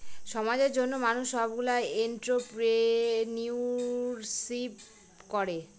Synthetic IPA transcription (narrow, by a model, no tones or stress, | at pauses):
ʃɔmad͡ʑeɾd͡ʑonːomanuʃːɔbabɡulaeenʈɾopɾeniuɾsip | kɔɾe